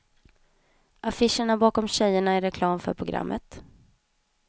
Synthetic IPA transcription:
ʔafɪʂəɳabɑːkɔmɕɛjːəɳaɛɾɛkʰlɑːmfœ̰ɾpʰɾʊɡɾa̰mːʔə̰t̪

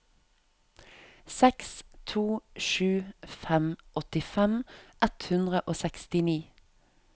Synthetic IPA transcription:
sɛkst̪ʰuːʃʉːfɛmʔɔt̪ɪfɛmʔɛt̪hʉnd̪ʁəʔoːsɛkst̪ɪniː

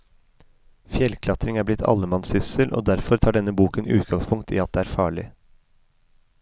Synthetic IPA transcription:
fjɛlkʰlɑt̪ɾɪŋæːɾblɪt̪ʰɑ̰lːəmɑnsɪsəlʔo̰ːd̪æɾfɔɾt̪ʰɑːɖɛnːəbuːkənʉ̰ːt̪ɡɑŋspʰʊŋkt̪ʰḭːɑt̪̚d̪eːæːɾfɑːɭɪ̰

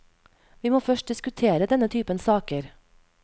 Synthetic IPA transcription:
ʋiːmoːfœʃʈ̚d̪ɪskʉt̪ʰeːɾəd̪ɛnət̪ʰyːpənsɑːkəɾ

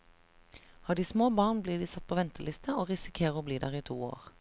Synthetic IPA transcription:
hɑːd̪iːsmoːbɑːʁnbliːd̪iːsɑt̪̚pʰoːʋɛnt̪əlɪst̪ʰəoːʁɪsɪkʰeːʁoːbliːd̪æ̰ːʁiːt̪ʰuːo̰ːʁ

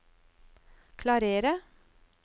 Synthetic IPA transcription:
kʰlɑɾeːɾə

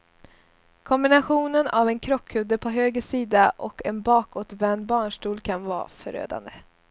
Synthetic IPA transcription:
kʰɔmbɪnaɧuːnənavɛnkʰɾɔkʰːhɵd̪əpʰɔɦøːɡəʂiːd̪aʔɔkɛnbɑːkoːt̪vɛnbɑːɳʂʈuːlkʰanvɑ̰ːfœ̰ɾø̰ːd̪a̰nd̪ə

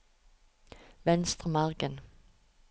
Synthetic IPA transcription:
ʋɛnst̪ʁəmɑʁɡən

